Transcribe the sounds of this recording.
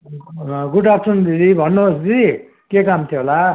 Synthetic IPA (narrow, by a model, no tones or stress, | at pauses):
ɡuʈap̚ʈʰund̪iɾibʱʌnːosd͡zi | kekamt̪ʰjoɦola